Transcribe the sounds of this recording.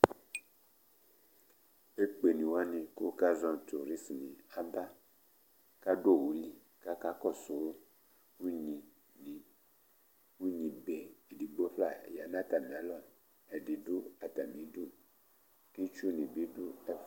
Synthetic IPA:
e˦k͡pe˨nĩ˨wa˦nĩ˨ko˦ka˦zɔ̃˦˨t̪u˨ɾi˦smĩ˨a˨ba˦ | ka˦ɖo˦˨wu˨li˦ | ka˦ka˦kɔ˦so˨wo˦ | ŋũ˦ɲĩ˨ | nĩ˨ | ŋũ˦ɲĩ˨be˨e˨di˨ɡ͡bo˦ɸla˦˨ja˨nã˦t̪a˨mĩ˨a˨lɔ˦˨ | e˨di˨do˦a˨t̪a˨mĩ˨do˦ | ki˦t͡ʃu˦nĩ˨bi˦do˦ɛ˦

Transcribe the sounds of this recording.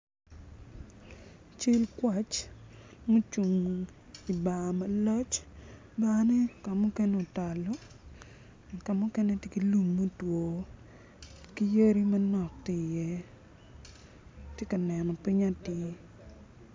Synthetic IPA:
t͡ʃi˦lkwa˨t͡ʃ | mo˦t͡ʃu˨ŋ | i˨ba˨mɐ˨lɔ˦t͡ʃ | ba˦ne˦ka˨mʊ˦kɛ˦ne˦o˨ta˨lɔ˦˨ | ka˨mʊ˦kɛ˦ne˦te˦ki˦lu˨mːo˦two˨ | ki˦je˦ɾi˦mɐ˦nɔ˨kti˦˨jɛ˦ | tje˦ka˨nɛ˨nɔ˨pi˦ɲa˦ti˦

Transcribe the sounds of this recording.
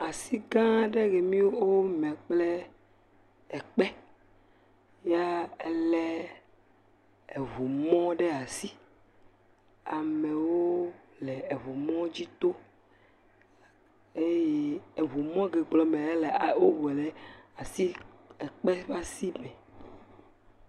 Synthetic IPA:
a˨si˦ɡã˦ɖe˦ɡe˨mĩ˦wo˦wo˦mɛ̃˨k͡plɛ˦ | ɛ˨k͡pɛ˦ | ja˦ɛ˦lɛ˦ | e˨vu˨mɔ̃˦ɖe˦a˨si˦ | a˨mẽ˨wo˦ | lɛ˨e˨vu˨mɔ̃˦d͡ʑi˦t̪o˦ | e˦je˦e˨βu˨mɔ̃˦ɡe˨ɡ͡blɔ˨mɛ̃˨e˦lɛ˨a˨wo˦wɛ˨le˨a˨si˦ɛ˨k͡pɛ˦va˦si˦mɛ̃˨

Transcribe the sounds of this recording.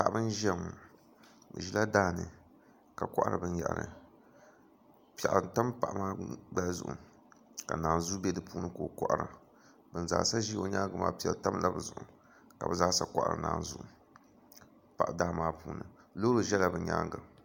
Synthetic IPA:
ta˦˨ʔbɨ˦n˦ʒɛ˦ŋ˨ | bɨ̰˨ʒi˦la˦daː˦nɨ˨ | ka˨kɔ˦ʔa˦ɾɨ̰˨bɨ˦nja̰˨ʔa˨ɾɨ̰˨ | pɛ˨ʔta˦mpa˨ʔmaː˦ɡ͡bɛ˦zʊ̰˨ʔʊ̰˨ | ka˨naː˨nzu˦bɛ˦dɨ˨puː˦nɨ˦koː˨kɔ˦ʔa˦ɾɨ̰˨ | bɨ˨n˨za̰˨sa˦ʒi˦o˨ɲa˦ɡɨ˨ma̰ː˦pi˨ɛ̰˨lta˦m˦la˦bɨ˨zʊ˨ʔʊ˨ | ka˨bɨ˨za˦sa˦kɔ˦˨ʔa̰˨ɾɨ̰˨na̰ː˨nzu˦ʔʊ˨ | pa˨ʔdaː˦˨maː˦puː˦nɨ˨lo˦ɾo˨ʒɛ˦la˨bɨ˨ɲa̰˦ɡɨ˨

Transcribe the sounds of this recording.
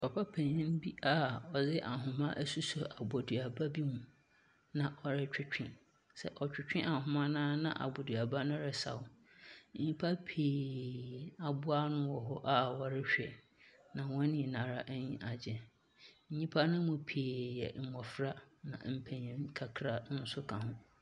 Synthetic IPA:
ɔ˨pʰa˦pʰɛ̃˨ɲɪ̃˦nbi˦a˨ɔ˨zɪ˦ʔa˨ɦʊ̃˨mã˦ʔæ˦su˦sɔ˨ʔa˨bɔ˨du˨a˨ba˦bi˦mũ˨ | nã˨ʔɔ˨ɾɪ˦t͡ɕᶣɪ˦t͡ɕᶣɪ̃˦ | sɛ̰˦ʔɔ˨t͡ɕᶣɪ˦t͡ɕᶣɪ̃˦ʔa˨ɦʊ̃˨mã˦nãː˦nã̰˦˨ʔa̰˨bɔ˨dɥa˨ba˦nʊ̃˦ɾɛ˨sa̰˨ʊ˦ | ɲĩ˦pʰa˦pʰiː˨ | a˨bʊ˦a˦nʊ̃˦wɔ˨ɦɔ˦ʔa˦wɔ˨ɾɪ˦ɕᶣɛ̰˨ | nã˨wɔ̃˦nĩ˨nã˨ɾa˦ʔɲĩ˦ʔa˨d͡ʑɛ̃˨ | ɲ̩˦ɲĩ˦pʰa˦nʊ̃˦mʊ̃˨pʰiː˨jɛ̰˨m̩˨mɔ˨fɾa˦nã̰˨m̩˦pʰɛ̃˨ɲĩ˦ŋ̩˦kʰa˨kʰɾa˦n̩˦sʊ˦kʰã˨hʊ̃˦

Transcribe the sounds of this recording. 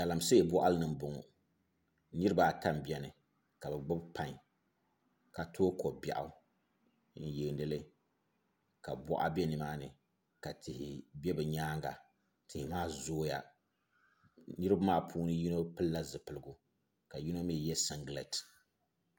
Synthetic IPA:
ka˨la˨mse˦˨bɔ˦ʔa˦lɨ˦nɨ˨m˨bʊ˨ŋɔ̰˨ | nɨ˦ɾɨ˦ba˨ta˦m˨bi˦ɛ˦nɨ˨ | ka˨bɛ˨ɡ͡bɨ˦bpa˦ɲ˨ | ka˨tʰoː˦ko˨bjɛ̰˨ʔa˦ | n̩˨ji˨nɨ˦lɨ˦ | ka˨bɔ̰˦ʔa̰˦bɛ˦nɨ˨maː˦nɨ˨ | ka˨tʰɪ˨hɪ˨bʲɛ˦bɨ˨ɲaː˦ŋɡa̰˨ | tʰɪ˨hɪ˨maː˦zoː˦ja̰˦ | nɨ˦ɾɨ˦ba˦maː˦˨pʰuː˦nɨ˦ji˦no˦pɨ˦lla˦zɨ˨pɨ˨lɨ˦ɡʊ˦ | ka˨ji˦no˦mi˦˨jɛ˦sa˦ŋɡlɛ̰˨t

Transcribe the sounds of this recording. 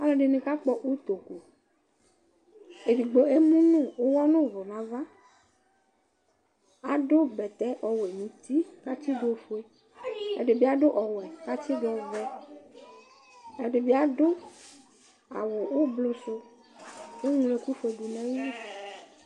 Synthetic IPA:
a˦lẽ˨ɖe˨nẽ˨ka˦k͡pɔ˦ʔwu˦t̪o˨ku˨ | e˨ɖi˨ɡ͡bo˦e˦mũ˦nũ˦˨wo˦wɔ˦nũ˦˨vo˨nã˨va˦ | a˨ɖo˦bɛ˨t̪ɛ˦ʔɔ˨we˨mĩ˨t̪i˦ka˦t̪i˦do˦fo˦e˦ | ḛ˨ɖe˨bi˦a˨ɖo˦ʔɔ˨wɛ˨ka˦t̪i˦dɔ˨vɛ˦ | e˦ɖe˨bi˦a˨ɖo˦ | a̰˨wo˨wo˦blo˦so˦ | e˦ŋu˨le˨ku˦fe˨ɖu˨nɛ̃˦wi˦

